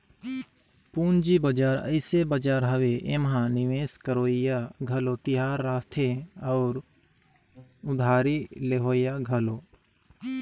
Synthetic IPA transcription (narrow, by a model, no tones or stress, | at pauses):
puːnd͡ʒibəd͡ʒaːɾə̰ɪsebəd͡ʒaːɾɦɐweʔemɦãnɪʋeːskəɾoːjaɡʱɐlot̪ɪɦaːɾːaːt̪ʰeɔːɾ | ʊd̪ʱaːɾileɦoːɪjaɡʱɐloː